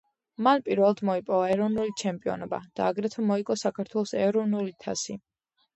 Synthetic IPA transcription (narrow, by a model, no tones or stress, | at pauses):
manpʼiɾvɛlˠad̪mɔipʼɔvaɛɾɔvnulit͡ʃʰɛmpʼiɔ̰nɔba̰d̪̥a̰ːɡɾɛt̪ʰamɔikʼɔsakʰaɾt̪ʰwɛlˠɔsɛɾɔvnulit̪ʰa̰si